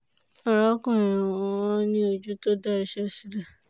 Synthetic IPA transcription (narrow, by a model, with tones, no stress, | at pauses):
ɔ˨ɾɔ˦kɔ̃˦˨ɾ̃ĩ˨ɔ˨ɔ̃˧˨ɔ̃˦nĩ˦o˧d͡ʒu˦to˦da˦i˨ʃɛ˦˨si˨ɾa˨